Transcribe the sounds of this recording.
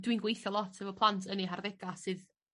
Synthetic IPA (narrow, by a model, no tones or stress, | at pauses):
dwinɡwejθjɔlˠɔtʰɛvɔpʰlˠantʰəniɦarðɛɡasɨð